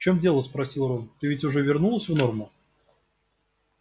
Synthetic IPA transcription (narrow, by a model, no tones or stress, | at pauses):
t͡ɕomdʲe̞lˠəspɾɐsʲilˠɾont̪ɨvʲɪtʲʊʐɛvʲɪrnulˠəsʲvno̞rmʊ